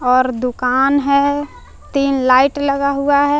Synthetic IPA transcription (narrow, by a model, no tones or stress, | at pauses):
ɔːɾd̪ʊkaːnɦɛ | t̪iːnlaːɪʈləɡaɦuaɦɛ